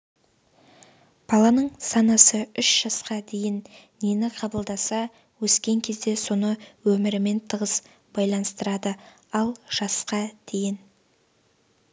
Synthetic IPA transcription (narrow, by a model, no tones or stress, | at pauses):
b̥ɑlˠɑnəɴsɑnɑsəʏʃʒ̥ɑsqɑd̪e̞jɪnː | enɪqʰɑbəlˠd̪ɑsɑ | wɵskʲe̞ŋkʲʰe̞zd̪e̞so̞nəwɵmɪɾɪme̞nt̪ʰəʁəs | b̥ɑjlˠɑnəst̪əɾɑd̪ə | ɑlˠʒ̥ɑsqɑd̪̥e̞jɪn